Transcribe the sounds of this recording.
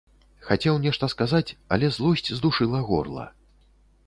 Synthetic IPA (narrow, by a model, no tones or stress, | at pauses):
xat͡sʲɛwnʲɛʂt̪ɐskazat͡sʲɐ̰lʲɛzlˠɔsʲt͡sʲzd̪uʂɨlˠɐɣɔ̰rlˠɐ̰